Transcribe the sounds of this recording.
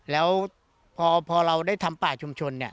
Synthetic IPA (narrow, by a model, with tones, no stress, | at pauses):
lɛː˦˥w | pʰɔː˧pʰɔː˧ɾa˧wdaː˥˩jt̪ʰa˧mpaː˨˩t͡ɕʰu˧mt͡ɕʰo˧nːi˥˩